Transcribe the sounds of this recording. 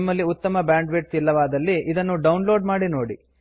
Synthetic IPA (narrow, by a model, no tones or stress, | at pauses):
mːɐlːiut̪ːɐmɐbjaːɳɖʋeːʈsilːɐʋaːd̪ɐlːiid̪ɐnːuɖɐwnlo̞ːɖmaːɽino̞ːɽi